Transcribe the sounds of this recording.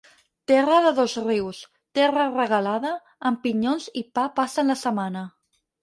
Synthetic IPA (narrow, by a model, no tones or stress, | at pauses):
t̪ɛrəðəðozriws | t̪ɛrərəɣalaðəː | mpiɲonzipapasənlasəmanə